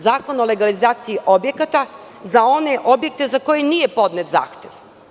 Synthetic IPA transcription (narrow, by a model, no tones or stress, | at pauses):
zaːko̞nole̞ɡalizaːt̪sijiʔo̞bje̞kat̪a | zao̞ne̞ʔo̞bje̞k̚t̪e̞zako̞jenijepo̞d̪net̪za̰ːxt̪e̞ʋ